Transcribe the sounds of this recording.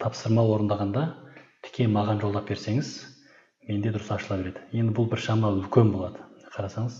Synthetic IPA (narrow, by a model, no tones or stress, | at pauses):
t̪ʰɑpsəɾmɑwo̞ɾənd̪ɑʁɑnd̪ɑt̪ʰɪ̥kʲʰe̞mɑʁɑnʒo̞lˠd̪ɑp̚be̞ɾse̞ŋɪz | me̞nd̪e̞d̪ʊɾəsɑʃəlˠɑpbeɾe̞d̪ɪje̞nd̪ɪbʊlˠbɪɾʃɑmɑʏlkʲe̞nbo̞lˠɑd̪əqʰɑɾɑsɑɴəz